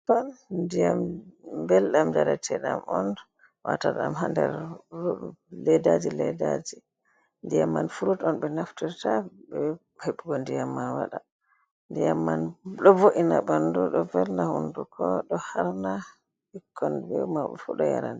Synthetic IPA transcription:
tɔndijambɛlɗamd͡ʒaɾatʰɛɗamɔn | wa̰taɗamɦandɛɾ | lɛdad͡ʒilɛdad͡ʒi | ndijamːanfuɾutɔnɓɛnaftiɾtaɓɛ | heɓuɡɔndijamːawaɗa | ndijamːanɗɔvoʔinaɓanduɗɔvɛlnahundukʰɔɗɔhaɾna | hikʰːɔnbɛwmaɓɛfuɗɔja̰ɾand

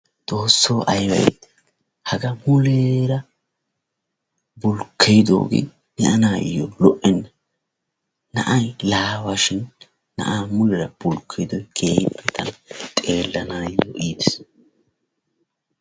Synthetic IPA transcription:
t͡sʼo̞ːsːoːʔɐjwɐ̰j̰ | hɐɡɐmʊleɾɐ | bʊlkʰːejd̪o̰ːɡḛ | nɛʔɐnaːjɔ̰lɔʔɛnːɐ | nɐʔɐjlaːwaʃɪnː | ɐ̰ʔaːmʊlɛɾɐb̥ʊlkʰːɛjd̪ɔjkʰeːbːɛt̪ʰɐnɐt̪ʼe̞ːlːɐnaːjjɔ̰ʔiːd̪ɛs

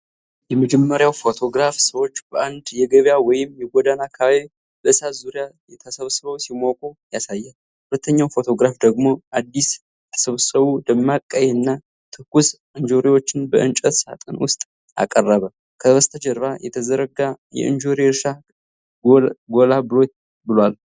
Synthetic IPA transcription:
jɛməd͡ʒɛmːəɾjawfo̞t̪ʰo̞ɡɾafsəwo̞t͡ʃːb̥əʔand̪jɛɡəβjawɔjɪmjɛɡʷɔd̪anakʰaβaβi | bəsazuɾijajɛt̪ʰəsəβsɨβəwsimokʼojasajːɛ | hulət̪ʰːəɲːawfo̞t̪ʰo̞ɡɾafd̪əɡmo̞ʔad̪ːis | t̪ʰə̥səβsəβud̪əmːakʼːəjɛɨnːa | t̪ʰɨkːus | ɨnd͡ʒoɾiwo̞t͡ʃːɪnbə̰ʔɨnt͡ʃʼət̪sa̰t̪ʼɨnwʊst̪ʼ | a̰kʼərːəβə | kʰəβəst̪ʰəd͡ʒəɾβajɛt̪ʰəzəɾəɡa | jɛ̰ʔɨnd͡ʒoɾieɾʃa | ɡo̞labɨlo̞t̪̚ | bɨlwal

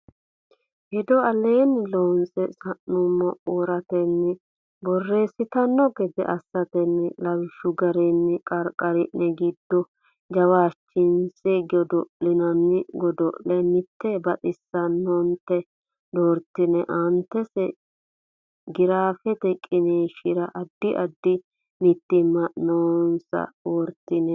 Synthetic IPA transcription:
hɛd̪ɔɐleːnlonsʼɛsɐnːʊmːɔʔoːɾɐt̪ɛnːɪ | bɔrːe̞ːsɪt̪ɐnːɔɡɛd̪ɛ̰ʔɐsːɐt̪ɛnːlɐwɪʃʊɡɐɾɛnːɪkʼɐɾkʼːɐɾɪnːɛɡɪd̪ːɔ | d͡ʒɐwaːt͡ʃːɪnsʼɛɡɔd̪ɔʔɪnɐnːɪɡɔd̪ɔʔlɛnɪt̪ːɛbɐt̪ʼɪsːɐnːont̪ːɛ | d̪oːɾt̪ːɪnɛʔɐnt̪ɛsɛ | ɡɪɾaːfɛt̪ɛkʼːɪneʃɪɾɐʔɐd̪ːɪʔɐd̪ːɪ | mɪt̪ːɪmːɐnoːnsɐ̰oːɾt̪ɪnɛ

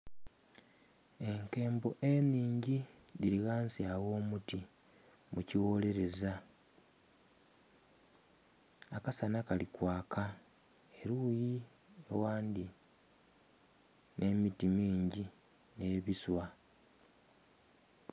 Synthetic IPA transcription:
e̞ŋke̞ːmbo̞ʔe̞niːɲɟi | diɾiɣaːnsiawo̞ːmuti | muciwo̞ːle̞ɾe̞za | akasanakalikwaːkʰa | eɾuji | ḛwaːndi | ne̞mitimiːɲɟi | ne̞βiswa

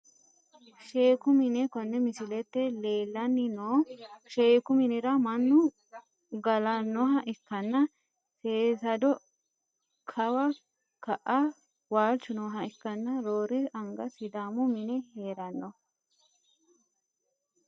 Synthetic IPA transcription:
ʃe̞ːkʊmɪnɛkɔnːɛmɪsɪlɛt̪ːɛle̞ːlːɐnːɪnoːʃeːkʊmɪnɪɾɐmɐnːʊ | ɡɐlɐnːɔɦɐʔɪkːɐnːɐ | seːsɐd̪ɔ | kʰɐwɐ | kɐʔɐ | waːlt͡ʃʊnɔɦɐɪkːɐnːɐɾoːɾɛʔɐŋɡɐsɪd̪aːmʊmɪnɛheːɾɐnːɔ

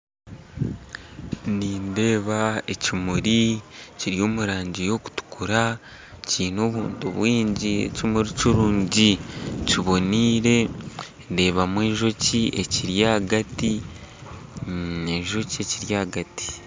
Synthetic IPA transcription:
niːnde̞ːβae̞cimuɾiciɾijo̞ːmuɾaːɲɟijo̞ku̥tu̥kʰuɾa | ciːno̞ːβuːntuβwiːɲɟiḛcimuɾiciɾuːɲɟiciβo̞niːɾe̞ | de̞ːβamweːʒo̞cie̞̰ciɾjaːɡati | eʒo̞cie̞ciɾjaːɡati̥

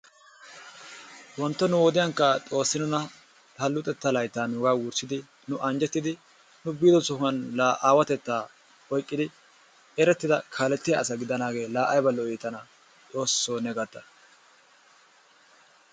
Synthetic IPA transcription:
wɔnt̪ːɔnʊwɔd̪ɪjɐŋkːɐt̪ʼo̞ːsːɪnʊnɐ | ɐlːʊt̪ʼɛt̪ːalɐjt̪ːaːnʊɡaːwʊɾsɪd̪ɪ | nʊʔɐnd͡ʒɛt̪ːɪd̪ɪ | nʊbiːd̪ɔt͡sʊhʊɐnlaːʔaːwɐt̪ɛt̪ːaː | ɔjkʼːɪd̪ɪ | ɛɾɛt̪ːɪd̪ɐkʰaːlɛt̪ːɪjɐːsɐɡɪd̪ɐnaːɡe̞ːlaːʔɐjbɐlːɔiːt̪ːɐnɐ | t̪ʼo̞ːsːoːnɛɡɐt̪ːɐ

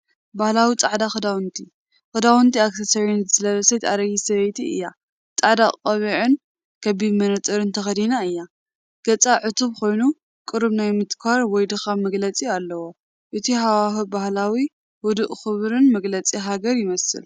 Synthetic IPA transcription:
bahlawit͡sʼaʕd̪axɨd̪awɨnt̪ʰi | xɨd̪awɨnt̪ʰiaksɐsɐwinzɨlɐβɐsɐjt̪ʼaɾɐjisɐβɐjt̪ʰiɨ̰jːa | t͡sʼaʕd̪aqʼɐβiʕɨn | kʰɐβimɐnɐt̪ʼɨɾɨnt̪ʰɐxɐd̪inaɨjːa | ɡ̥ɐt͡sʼaʕɨt̪ʰuβkʰo̞jnu | kʼɨɾɨβnajmɨt̪kʰaɾwɔjd̪ɨxamɐɡlɐt͡sʼialːɐwo̞ | ʔɨt̪ʰiɦawaxɨbahlawi | wɔd̪ɨʔʼxɨβɾɨnmɐɡlɐt͡sʼiɦaɡɐɾjɪmɐsɨ̰l

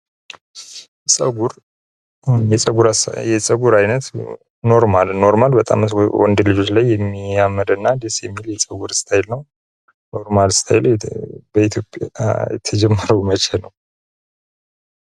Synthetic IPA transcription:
jɛsʼəɡuɾ | jɛsʼəɡuɾasjɛsʼəɡuɾajnət̪ | no̞ɾmalno̞ɾmalbət̪ʼa̰mwɔ̰nd̪lɨd͡ʒo̞t͡ʃlajːɛmːiamːəd̪ɨnːad̪isjɛmːiljɛsʼəɡuɾst̪ʰajɪlnəw | no̞ɾmalst̪ʰa̰jɪlbəit̪ʰjo̞pʼjajɛt̪ʰəd͡ʒɛmːəɾəwmət͡ʃɛlnəw

